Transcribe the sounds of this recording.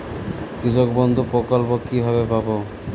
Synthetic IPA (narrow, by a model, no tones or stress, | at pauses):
kid͡ʒokbɔnd̪ʱupɾokɔlpokibʱaβebabo